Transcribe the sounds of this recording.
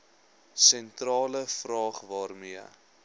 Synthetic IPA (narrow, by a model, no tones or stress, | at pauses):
sɛntrɑːləfrɑːχvɑːrmiə